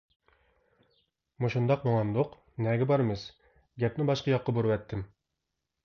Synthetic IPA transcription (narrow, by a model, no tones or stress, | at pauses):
muʃund̪ɑqmoŋɑnd̪oq | nɛɡʲɪbɑɾmɨz | ɡʲɛp̚nɪbɑʃqɑjɑqːɑboɾuwɛt̪ʰːɪm